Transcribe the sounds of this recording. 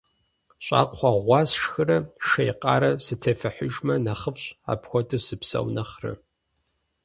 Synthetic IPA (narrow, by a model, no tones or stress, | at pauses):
ɕʼa̰ːqχʷɑʁʷɑːsʂxɨrɐʃejqʼɑːɾɐsɨtʰɐfɐħʊʒmɐnɐχəfɕʼa̰ːpxʷɔtʰʼɨsɨpsɐ̰wnɐχrɨ̰